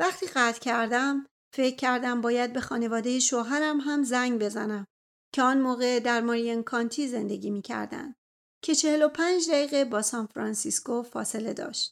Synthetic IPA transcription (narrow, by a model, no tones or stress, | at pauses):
væχt̪ʰiːɣæt̪ʰcʰæɾd̪æm | fe̞cʲʰːæɾd̪æmbɒːjæd̪̚be̞xɒːne̞vɒːd̪e̞jeʃoːɦæɾæmɦæmzæŋɟbe̞zæ̰næm | cʰe̞ɒnmoːɣe̞d̪æɾmoɾienkʰɒnt̪ʰiːze̞nd̪e̞ɡʲiːmiːcʰæ̰ɾd̪æ̰nd̪̚ | cʰe̞t͡ʃʰe̞helo̞pʰænd͡ʒd̪æjiːɣebɒːsɒnfɾɒnsiskofɒːse̞le̞d̪ɒ̰ːʃt̪